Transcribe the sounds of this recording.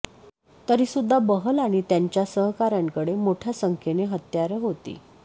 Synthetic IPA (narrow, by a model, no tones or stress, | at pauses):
t̪əɾisud̪ʱːabəɦəlaɽ̃it̪jaɲt͡ɕjasəɦkaɾjãŋkəɽemoʈʰjasəŋkʰeneɦət̪jaɾəɦot̪ḭː